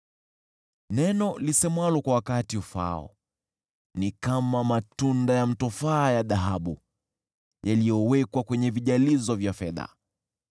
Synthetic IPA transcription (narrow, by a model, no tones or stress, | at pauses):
nɛnɔlisɛmwalɔkwawakatiufa̰ɔ̰ | nikamamatundajam̩tɔfaːjaðaɦaɓu | jalijɔwɛkwakwɛɲɛviʄalizɔvjafɛða̰